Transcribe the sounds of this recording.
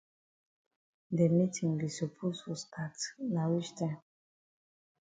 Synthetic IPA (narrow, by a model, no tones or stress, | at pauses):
demitʰĩŋlisopʰosfɔstʰatnawit͡ʃtʰãm